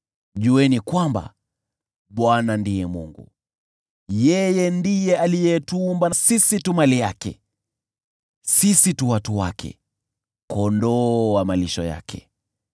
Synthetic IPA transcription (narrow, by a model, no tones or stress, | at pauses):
ʄuɛnikwamba̰ | ɓwanandijɛmṵŋɡṵ | jɛjɛndijɛalijɛtuːmbanasisitumalijakɛ̰ | sisituwatuwa̰kʰɛ̰ | kɔndɔamaliʃɔ̰ja̰kʰɛ̰